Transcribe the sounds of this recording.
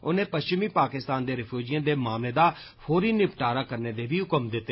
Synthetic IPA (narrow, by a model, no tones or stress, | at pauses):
ʊnẽːpəst͡ʃɪmiːpaːkɪst̪aːnd̪eːɾɪpʰjuːd͡ʒijãːd̪eːmaːmleːd̪aː | pʰoːɾiːnɪpʈaːɾaːkəɾneːd̪eːbiːɦʊkəmd̪ɪt̪ːe